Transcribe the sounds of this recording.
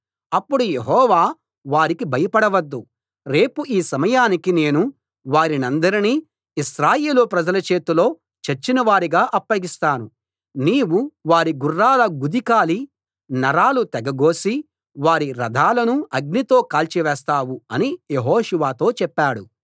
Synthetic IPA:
ɐpːuɽujeɦɔːʋaː | ʋaːɾikibʱɐjɐpɐɽɐʋɐd̪ːu | ɾe̞ːpuiːsɐmɐjaːnikine̞ːnu | ʋaːɾinɐnd̪ɐɾiniː | iʃɾaːjeːlupɾɐd͡ʒɐlɐt͡ʃe̞ːt̪ulo̞ː | t͡ʃeɾt͡ʃːinɐʋaːɾiɡaːʔɐpːɐɡist̪aːnu | niːwuʋaːɾiɡurːaːlɐɡud̪ikaːli | nɐɾaːlut̪ɛɡɐɡo̞ːsi | ʋaːɾiɾɐd̪ʱaːlɐnuɐɡ̚nit̪o̞ːkaːlt͡ʃiʋɛːst̪aːwuɐnijeɦoːʃuʋaːt̪o̞ːt͡ʃɛpːaːɽu

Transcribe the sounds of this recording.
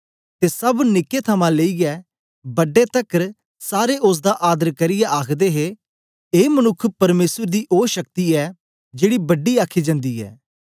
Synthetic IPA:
t̪esɐbnɪkːet̪ʰɐmãːleːiɡɛː | bɐɖːet̪ɐkəɾ | saːɾeʔʊs̬d̪aʔaːd̪əɾkɐɾɪjaʔaːkʰd̪eːɦe | eːmənʊkʰːpɐɾmeːsəɾd̪iʔoːʃɐk̚t̪iɛː | d͡ʒeːɽibɐɖːiaːkʰid͡ʒə̃nd̪iːɛ̰ː

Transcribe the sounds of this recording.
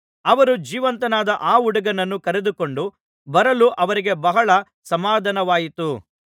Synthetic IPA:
ɐʋɐɾud͡ʒiːʋɐnt̪ɐnaːd̪ɐʔaːuɽɐɡɐnɐnːukɐɾed̪uko̞ɳɖu | bɐɾɐluʔɐʋɐɾiɡe̞bɐɦɐɭɐ | sɐmaːd̪ʱɐnɐʋaːjit̪u

